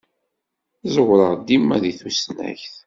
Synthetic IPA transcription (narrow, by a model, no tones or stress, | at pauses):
zəwɾəʁd̪imːæðiθusnæ̰çθ